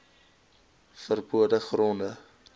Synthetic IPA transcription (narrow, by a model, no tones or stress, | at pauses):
fərbuədəχrɔndə